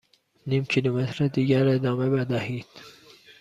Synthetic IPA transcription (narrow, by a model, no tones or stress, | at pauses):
niːmcʰilumet̪ʰɾed̪iːɟæɾed̪ɒːmebed̪æhiːd̪̥